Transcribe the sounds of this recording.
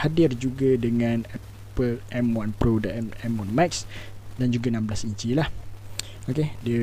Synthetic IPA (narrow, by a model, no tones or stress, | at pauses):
hadɪrd͡ʒuɡadəŋãnɛ | pəlʔɛmwanpɾodaʔɛmɛmwanmaksdand͡ʒuɡanãmblasiɲt͡ʃilah | okediə